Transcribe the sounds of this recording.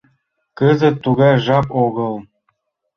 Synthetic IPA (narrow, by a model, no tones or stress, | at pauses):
kɤzə̆t̪ːuɣɑjʒɑpoɣɤlˠ